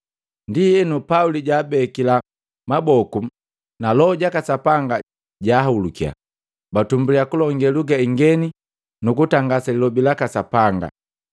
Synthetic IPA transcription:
ndijɛnupauliɟaːbɛkila | mabɔku | nalɔɟakasapaŋɡa | ɟaːɦulukia̰ | batumbuliakulɔŋɡɛluɡaiŋɡɛni | nukutaŋɡasalilɔbilakasapaŋɡa̰

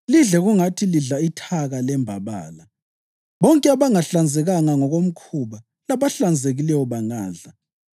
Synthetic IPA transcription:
liɮɛɣuŋatʰiliɮaitʰaɣalɛmbʱaβa̰ːla | βɔŋkʼɛaβaŋaɬand͡zʱɛɣaŋaŋɔɣom̩kʰuβa | laβaɬand͡zʱeɣilɛwɔβaŋaːɮa

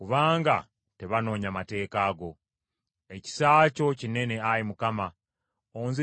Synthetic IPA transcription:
kuβaːŋɡa | te̞βano̞ːɲamate̞ːkaːɡo̞ | e̞ci̥saːco̞cine̞ne̞ajimukama | oːnzi

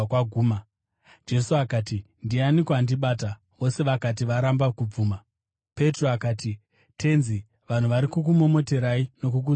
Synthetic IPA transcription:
kwaɡʱuːma | d͡ʒe̞suakaːti | ndianikandiɓaːta | ʋo̞se̞ʋakat̬iʋaɾambakub͡vuːma | pe̞tro̞akaːti | tʰe̞nzi | ʋan̤uʋaɾikuk̬umo̞mo̞te̞ɾaino̞k̬uk̬u

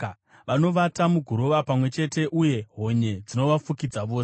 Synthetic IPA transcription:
ʋano̞ʋatamuɡʱuɾo̞ʋapamwe̞t͡ʃe̞te̞ʔuje̞ɦo̞ɲe̞d͡zino̞ʋafukid͡zaʋo̞ːse

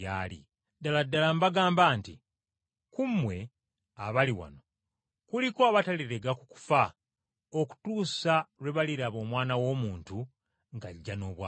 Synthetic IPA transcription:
alḭ | daladːalambaɡaːmbaːnti | kumwe̞ | aβaliwa̰no̞ | kulikoaβataliɾe̞ɡaku̥ku̥fa | oku̥tuːsawe̞βaliɾaβo̞ːmwaːnawo̞ːmuːntu | ŋɡaɟːano̞ːβwa

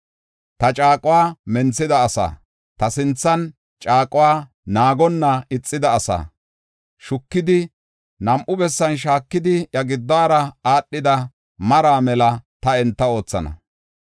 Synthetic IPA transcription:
t̪ɐt͡ʃʼaːkʼʊwaːmɛnt͡sːɪd̪ɐːsa̰ː | t̪ɐsɪnt͡sːɐn | t͡ʃʼaːkʼʊwaː | naːɡɔnːɐɪt͡sʼːɪd̪ɐːsa̰ː | ʃʊkːɪd̪ɪ | nɐmʔʊbɛsːɐnʃ̬aːkːɪd̪ɪjɐɡɪd̪ːaːɾɐaːɗːɪd̪ɐ | mɐɾaːmɛlɐt̪ɐɛnt̪ːɐo̞ːt͡sːɐ̰nɐ̰

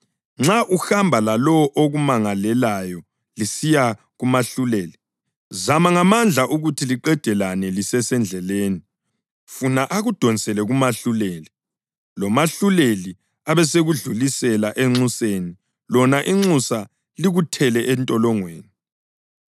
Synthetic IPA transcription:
ŋ͡ǁaʔuxambʱalalɔwʔoɣumaŋalɛlajɔ | lisija | ɣumaɬuleːli | zamaŋamand͡ɮʱaʔuɣutʰiliǃɛd̥ʱɛlanɛlisɛsɛnd͡ɮʱɛleːni | funaʔaɣud̥ʱɔnsɛlɛɣumaɬuleːli | lɔmaɬuleli | aβɛseɣuɮulisɛlaʔɛŋ͡ǀuseni | lɔnaʔiŋ͡ǀusa | liɣutʰɛlɛʔɛntʼɔlɔŋweːni

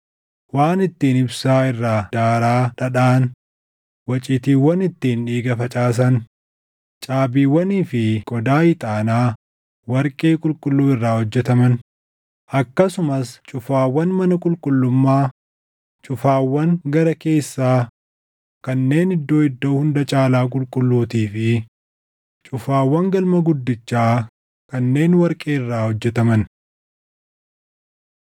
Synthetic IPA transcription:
waːnɪt̪ːiːnɪbsaːɪrːaːd̪̥aːɾaːᶑɐᶑaːn | wɐt͡ʃʼɪːt̪iːwːɐnɪt̪ːiːnᶑiːɡɐfɐt͡ʃʼaːs̬ɐn | t͡ʃʼaːbiːwːɐniːfɪkʼɔd̪aːjɪt̪ʼaːnaː | wɐɾkʼeːkʼʊlkʼʊlːuːɪrːaːhɔd͡ʒːɛt̪ɐmɐn | ʔɐkːɐsʊmɐst͡ʃʼʊfaːwːɐnmɐnɐkʼʊlkʼʊlːʊmːaː | t͡ʃʼʊfaːwːɐŋɡɐɾɐke̞ːsːaː | kɐnːe̞ːnɪd̪ːo̞ːɪd̪ːo̞ːhʊnd̪ɐt͡ʃʼaːlaːk̬ʼʊlkʼʊlːuːt̪iːfɪ | t͡ʃʼʊfaːwːɐŋɡɐlmɐɡʊd̪ːɪt͡ʃːaː | kɐnːe̞ːnwɐɾkʼe̞ːɪrːaːhɔd͡ʒːɛt̪ɐmɐn

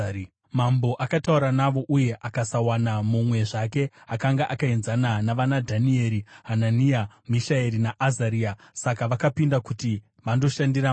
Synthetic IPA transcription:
mambo̞ʔakatauɾanaʋo̞ʔuje̞ʔakasawanamumwe̞ʐak̬e̞akaŋɡaʔakaenzananaʋanadʱanie̞ɾiɦananijamiʃaeɾinaʔːzaɾiːa | sakaʋakapindakuti | ʋando̞ʃandira

